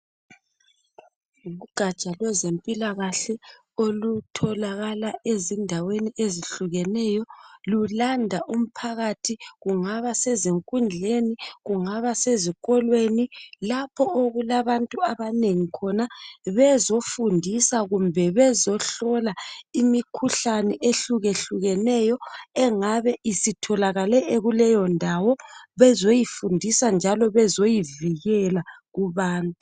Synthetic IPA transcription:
uɣuɡ̥ʱat͡ʃʼalwɛzempʼilaɣaɬɛ | olutʰɔlaɣalaʔezindʱaweniʔeziɬuɣɛnɛːjɔlulandʱaʔum̩pʰaɣatʰiɣuŋaβasɛzeŋkʼund͡ɮʱeniɣuŋaβaseziɣʼɔlwenilapʰɔoɣulaβantʼuaβaneŋikʰɔnaβɛzofundʱisaɣumbʱɛβɛzɔɬɔlaimikʰuɬanɛʔeɬuɣeɬuɣɛnɛjɔɛŋaβɛʔisitʰɔlaɣalɛeɣulɛjɔndʱawɔβɛzojifundʱisand͡ʒʱalɔβɛzojiviɣɛla | ɣuβaːntu

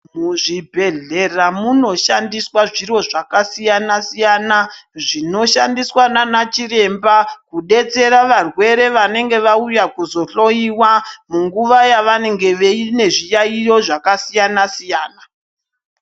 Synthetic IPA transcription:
muʐibʱe̞ɮe̞ramuno̞ʃandiswaʐiro̞ʐakasijanasijanaʐino̞ʃandiswananat͡ʃiɾe̞mbakuɗe̞t͡se̞ɾaʋarwe̞ɾe̞ʋane̞ŋɡe̞ʋaujakuzo̞ɬo̞jiwamuŋɡuʋajaʋane̞ŋɡe̞ʋeine̞ʐijaijo̞ʐakasijanasijaːna

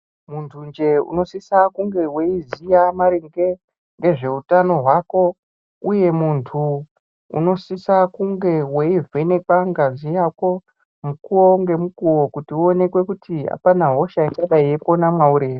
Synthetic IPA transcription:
muntʰund͡ʒe̞ṵno̞sisakuŋɡe̞we̞izijamaɾiŋɡe | ŋɡe̞ʐe̞utano̞ɦwako̞ | uje̞muntʰu | ṵno̞sisakuŋɡe̞we̞ive̞ne̞kaŋɡazijako̞ | mukuwoŋɡe̞mukuwo̞kutiuone̞kwe̞kutia̰panaɦo̞ʃait͡ʃaɗaiepo̞namwauɾe̞ːʋe

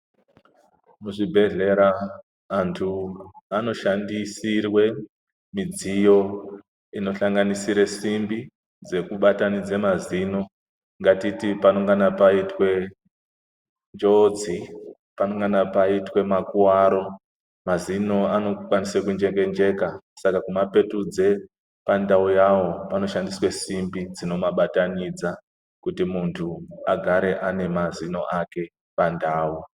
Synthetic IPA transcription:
muʐibʱe̞ɮe̞ɾaː | ntʰuano̞ʃandisirwe̞ | mid͡zijo̞ | ino̞ɬaŋɡanisiɾesimbi | d͡ze̞kuɓatanid͡zemazino̞ | ŋɡatitipano̞ŋɡanapaitwe̞ | nd͡ʒo̞d͡zi | panoŋɡanapaitwe̞makuwaɾo̞ | mazino̞ano̞kwanisekund͡ʒeke̞nd͡ʒe̞kasakakumape̞tud͡ze̞ | pandaujawo̞pano̞ʃandiswe̞simbid͡zino̞maɓatanid͡za | kutimuntʰuaɡʱaɾe̞ʔane̞mazino̞̰ʔake̞ | pandaːwu

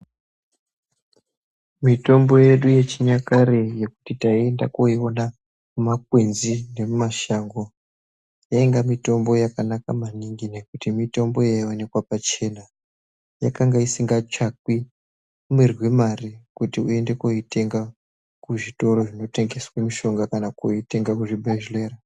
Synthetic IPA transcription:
mito̞mbo̞je̞ɗuje̞t͡ʃiɲakareje̞ku̥titaie̞nda̰koiona | kumak̚wenzine̞mumaʃaŋɡo̞ | jaeŋɡamito̞mbo̞jakanakamaniŋɡine̞kutimito̞mbo̞jaio̞ne̞kwapat͡ʃe̞na | jakaŋɡaisiŋɡat͡ʃak̚wi | umerwimarikutiue̞nde̞koite̞ŋɡa | kuʐito̞ɾo̞ʐino̞te̞ŋɡe̞swemiʃo̞ŋɡakanakoite̞ŋɡakuʐibeʒleːra

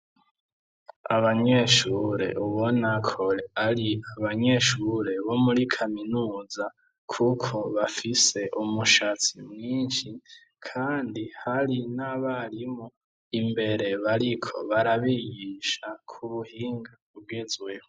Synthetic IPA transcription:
aβaɲe̞ʃuːɾe̞̰ʔuβo̞nakʰo̞ɾeaɾiaβaɲe̞ʃuːɾe̞βo̞muɾikʰaminuːza | kʰukʰo̞βafise̞ʔumuʃat͡simŋiːnʃi | kʰaːndihaɾinaβaɾimo | imbe̞ɾe̞βaɾikʰo̞̰βaɾaβiɡiʃakʰuβuhiːŋɡauβɡezwe̞ho

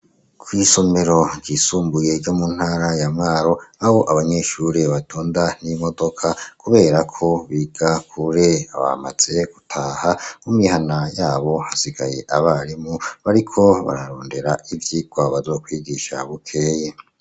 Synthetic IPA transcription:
kʰwiːsome̞ɾo̞ŋɟisuːmbuje̞ɾɟomun̥haːɾajamŋaːɾo̞aho̞ʔaβaɲe̞ːʃuɾeβatuːndan̥imo̞do̞kʰakuβe̞ːɾakʰo̞βiːɡ̥akʰuɾe̞aβa̰ma̰z̥e̞ɡ̥utʰaːhamumihanajaːβo̞hasiɡa̰je̞ʔaβaɾimuβaɾikʰo̞βa̰ɾaɾoːnde̞ɾaivjiɡwaβazo̞ːkwiːɡiʃa̰βukʰe̞je

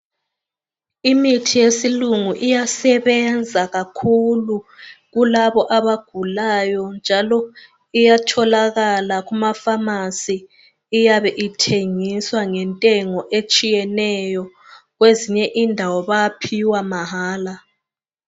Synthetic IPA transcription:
imitʰijesiluŋuʔijasɛβɛnd͡zʱaɣakʰuluɣulaβɔʔaβaɡ̥ʱulajɔnd͡ʒʱalɔ | ijatʰɔlaɣalaɣumafamasiː | jaβɛʔitʰeŋiswaŋɛntʼɛŋɔʔet͡ʃʼijɛnɛjɔɣweziɲɛʔindʱawɔβajapʰiwamaɦaːla

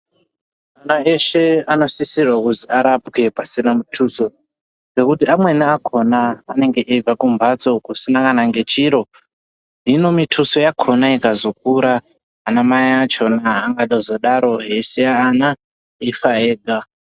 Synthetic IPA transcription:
anae̞ʃe̞ano̞sisirwakuziaɾapkepasinamutʰuso̞ | d͡ze̞kutiamwe̞niakʰo̞naːne̞ŋɡe̞ʔeb͡vakumbat͡so̞kusinakanaŋɡe̞t͡ʃiɾo̞ | ɦino̞mitʰusojakʰo̞naikazo̞k̚uɾaː | namajaat͡ʃo̞naːŋɡaɗozo̞ɗaɾo̞ɦe̞sejaːna | ifaeːɡʱa

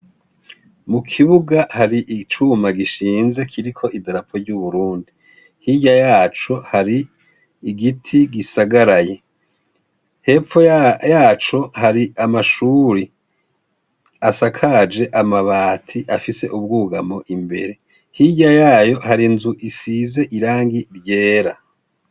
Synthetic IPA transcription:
mukʰiβuɡahaɾiʔit͡ʃumaɡiʃiːnze̞kʰiɾikʰo̞ʔidaɾapʰo̞ɾɟuβuɾuːndi | hiɟajaːt͡ʃo̞haɾiː | ɡitʰiɡisaɡaɾaje̞ | he̞ːfojaːt͡ʃo̞haɾiamaʃuːɾi | asakʰad͡ʒe̞ʔamaβaːtʰiʔafise̞ʔub̚ɡuːɡamo̞ʔimbe̞̰ɾe̞ | hiɟajaːjo̞haɾinzuʔisize̞ʔiɾaːŋɡiɾje̞ːɾa

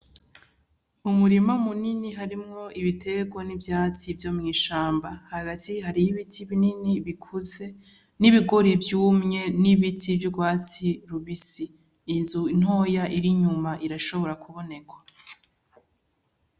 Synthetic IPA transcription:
umuɾimamuniniɦaɾimŋo̞ʔiβitʰe̞ɡwanivjaːt͡sivjoːmŋiːʃaːmbahaɡatiɦaɾijiβitʰiβininiβikʰuze̞ | niβiɡo̞ɾivjuːmɲe̞niβitʰivjuɡwaːt͡siɾuβisiː | nzuin̥ho̞jaʔiɾiɲumaʔiɾaʃoβo̞ɾakuβo̞ne̞kwḁ

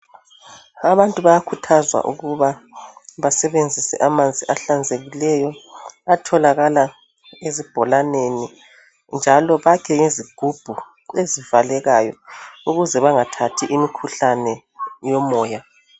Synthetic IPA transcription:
aβantʼuβajakʰutʰazwa̰ʔuɣuβaβasɛβend͡zʱisɛ̰ʔamand͡zʱiʔaɬand͡zʱeɣilɛjɔatʰɔlaɣala | ezib̥ʱɔlaneni | nd͡ʒʱalɔβakʰɛŋeziɡ̥ʱub̥ʱu | ezivalɛɣajɔ̰uɣuzɛβaŋatʰatʰiʔimikʰuɬanɛ | jɔmɔːja

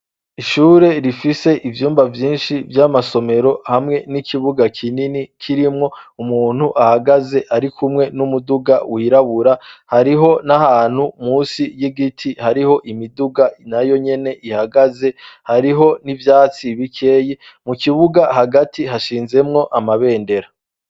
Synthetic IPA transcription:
iʃuːɾe̞ɾifise̞ʔivjuːmbavjiːnʃivjamaso̞me̞ɾo̞hamŋe̞nikiβuɡakʰininikʰiɾimŋo̞umuːn̥huʔahaɡaze̞ʔaɾikumŋe̞numuduɡa̰wʔiɾaβuɾahaɾiɦo̞nahaːn̥humuːsijiɡitʰihaɾiho̞ʔimiduɡanajo̞ɲe̞ne̞ʔihaɡaze̞haɾiɦo̞nivjaːt͡siβikʰe̞ːji | mukiβuɡahaɡatʰiɦaʃiːnze̞mŋo̞ʔamaβe̞ːnde̞ɾa

